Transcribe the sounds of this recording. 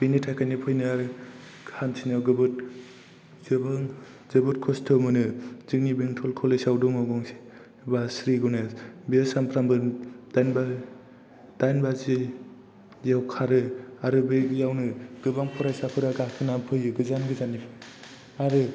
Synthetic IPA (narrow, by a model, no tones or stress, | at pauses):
b̥initʰakʰajnɯpʰɯjnɯaɾɯkʰantʰinaɡɯbɯt̚ | zɯbɯŋ | zɯbɯt̚kʰɔstʰɔmɯnɯzɯknibeŋtʰɔlkʰɔlesawdɔŋaɡɔŋsi̥ | basɾiɡɔnabisampʰɾambɯd̥ajnba | d̥ajnbazi | zawkʰaɾɯaɾɯbejawnɯɡɯbaŋpʰɔɾajsapʰɯɾaɡakʰɯnampʰɯjɯɡɯzanɡɯzanːi | aɾɯ